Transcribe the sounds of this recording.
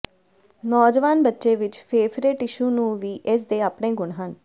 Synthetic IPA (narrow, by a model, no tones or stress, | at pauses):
nɔːd͡ʒʋaːnbətːʃeːʋɪt͡ʃpʰeːfɾɪʈɪʃuːnũːʋiːʔɪsd̪eːaːpɳẽːɡʊɳɦən